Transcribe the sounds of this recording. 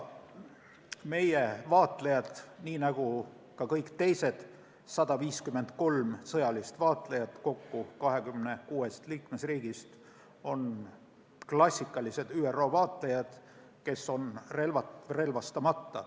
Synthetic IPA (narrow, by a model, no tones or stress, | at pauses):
me̞jevɑːt̪ˑlejɑd̪̥niːnɑɡ̥u | kɑkɤjkˑt̪e̞jse̞d̪̥ | sɑd̪̥ɑviːskymːe̞nd̪̥ko̞lmsɤjɑlist̪vɑːt̪ˑlejɑt̪ko̞kːukɑɦekymne̞kuːe̞st̪liːkme̞sriːɡ̥ist̪ | o̞n | klɑsʲːikːˑɑlise̞d̪yːero̞ːvɑːt̪lejɑd̪̥ | ke̞so̞nre̞lvɑre̞lvɑst̪ɑmɑt̪ːɑ